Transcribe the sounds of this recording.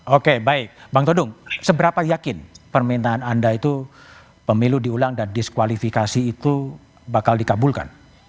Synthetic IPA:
okebaɪk̚baŋt̪odʊŋsəbəɾapajakɪnpərmint̪aːnandait̪u | pəmiludiulaŋdandɪskwalifikasiːt̪u | bakaldikabulka̰n

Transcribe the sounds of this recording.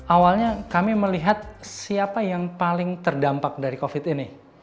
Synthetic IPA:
awalɲakamiməliɦat̪̚siapajaŋpalɪŋt̪ərdampak̚daɾikofɪt̪inɪ

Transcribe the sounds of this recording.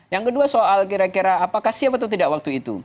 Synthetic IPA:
jaŋkəduasoʔalkiɾakiɾaːpakahsiapat̪at̪idaʔwak̚t̪uit̪ṵ

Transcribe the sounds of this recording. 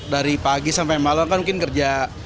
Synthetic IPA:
daɾipaɡisampajmalamkanmuŋkɪnkərd͡ʒa

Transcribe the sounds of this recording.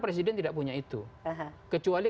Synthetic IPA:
pɾes̬idɛnt̪idaʔpuɲait̪uɦkət͡ʃuali

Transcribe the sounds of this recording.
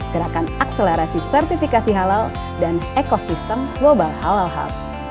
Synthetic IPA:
ɡəɾakanakseleɾasisɛrt̪ifikasiɦalal | danekosist̪əmɡlobalhalalɦa̰l

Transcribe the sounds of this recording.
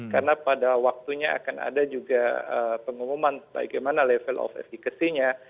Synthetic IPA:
kaɾənapadawak̚t̪uɲaa̰kanʔa̰dad͡ʒuɡaəpəŋumumanba̰ɡajmanalɛfəlʔɔ̰fɛ̰fikasiɲa

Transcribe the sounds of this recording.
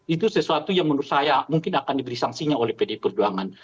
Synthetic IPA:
it̪usəsuat̪ujaŋmənusajamuŋkɪnakandibəɾisaŋsiɲaolɛhpedepərd͡ʒuaŋan

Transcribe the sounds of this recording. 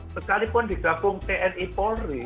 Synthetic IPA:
səkalipʊnd̪̥i̤ɡ̥ä̤bʊŋp̪eʔɛnipɔri

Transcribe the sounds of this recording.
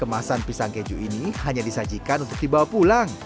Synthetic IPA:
kəmasanpisaŋked͡ʒuʔinihaɲadisad͡ʒikanunt̪ʊk̚dibawapulaŋ

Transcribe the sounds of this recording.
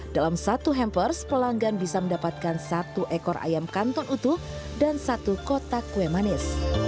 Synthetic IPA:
dalamsat̪uɦɛmpərspəlaŋɡanbisaməndapat̪̚kansat̪uʔɛkɔɾʔa̰jamkant̪ɔnut̪uhdansat̪ukot̪akuemanɪs

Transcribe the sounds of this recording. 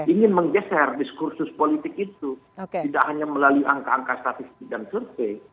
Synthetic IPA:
iŋɪnməŋɡɛsɛrdiskursʊspolit̪ɪkit̪uokt̪idakhaɲaməlaluiʔaŋkaːŋkast̪at̪ɪst̪ɪk̚dansərte

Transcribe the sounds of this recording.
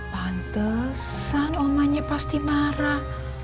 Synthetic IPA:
bant̪əsanomaɲepast̪imaɾa

